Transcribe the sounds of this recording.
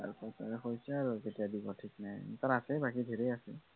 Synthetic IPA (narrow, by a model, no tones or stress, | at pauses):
a̰ɹpɔta̰nɛxɔjsaɹuketijadibɔtʰiknajntaɹasɛbakidʱeɹɛjasɛ